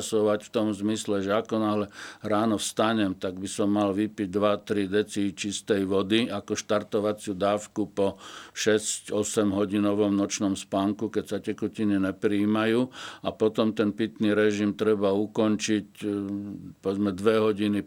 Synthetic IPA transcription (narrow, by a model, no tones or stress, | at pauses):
sɔʋacft̪ɔmzmislɛʒɛakɔnaːlɛɾaːnɔfst̪aɲɛmt̪aɡbisɔmːalʋipiɟ̚d̪ʋat̪ɾid̪ɛt͡sit͡ʃist̪ɛjʋɔd̪iakɔʃt̪aɾt̪ɔʋat͡sɪud̪aːfkupɔʃɛscɔsɛmɦɔɟinɔʋɔmnɔt͡ʃnɔmspaŋkukɛcsacɛkucininɛpɾiiːmajuːapɔt̪ɔmt̪ɛnpit̪niɾɛʒimt̪ɾɛbaukɔnt͡ʃic | pɔʋɛd͡zmɛd̪ʋɛɦɔɟini